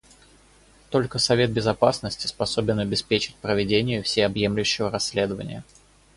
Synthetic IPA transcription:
t̪o̞lʲkəsɐvʲe̞t̪̚bʲɪzɐpasnəsʲtʲɪ̥spɐso̞bʲɪnɐbʲɪspʲet͡ɕɪ̥t̚ʲpɾəvʲɪdʲenʲɪjʊfsʲeɐbje̞mlʲʉɕːɪvəɾɐsʲːlʲe̞d̪əvə̰nʲɪ̰jə

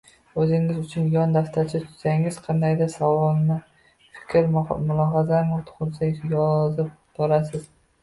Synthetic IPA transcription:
ɵzɪŋɪzʊt͡ʃʰʊnjɒnd̪aft̪ʰat͡ʃʰɪt̪ʰʊ̥saŋɪz̥qʰɑnd̪ajd̪asavɒlˠnɪ | fɪ̥kʲʰɾmʊlˠɒɦazaɾmɪt̪ʰʊ̥ʁʊɾsajɒzɪp̚b̥ɒɾasɪz̥

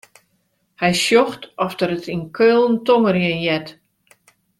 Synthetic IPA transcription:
hɛjsjoxtɔfdəɾətinkʰølˠn̩tɔməɾjənjɛt

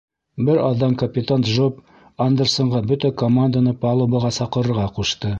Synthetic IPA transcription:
bɘɾɑðːɑŋkɐpʲɪt̪ant̪ʒop | and̪ersŏɴʁɑbɵt̪ækomand̪anɤpɑlˠobɑʁɑsɑqɤ̆ɾɤ̆ɾʁɑquʃt̪ɤ

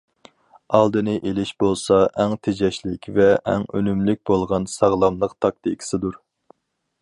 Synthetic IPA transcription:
ɑlˠd̪ɨnɨʔelɪʃbolˠsɑʔɛŋt̪ʰed͡ʒɛʃlɪkʲvɛʔɛ̰ŋønymlɪk̚ʲbolˠʁɑnsɑʁlˠɑmlˠəqt̪ʰɑk̚t̪ʰikʲʰi̥sɨd̪uɾ

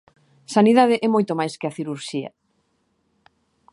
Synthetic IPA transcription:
saniðað̞ɪʔɛmojt̪omajskeaθiɾuɾʃiɐ̰

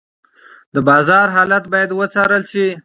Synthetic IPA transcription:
d̪əbɑzɑɾɦɑlat̪̚bɑjad̪wət͡sɑɾəlʃi

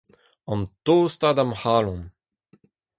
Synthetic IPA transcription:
ɑ̃nt̪ost̪ad̪amhaːlɔ̃n

